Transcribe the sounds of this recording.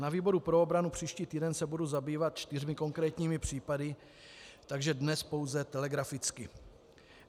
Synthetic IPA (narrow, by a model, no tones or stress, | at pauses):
naviːbo̞ɾupɾo̞obɾanupr̝̥iːʃciːt̪iːdɛnsɛbuduzabiːvat̪̚t͡ʃt̪ɪrmɪko̞ŋkɾɛːt̪ɲiːmɪpr̝̥iːpadɪ | t̪aɡʒɛdnɛspo̞wzɛt̪ɛlɛɡɾafɪt͡skɪ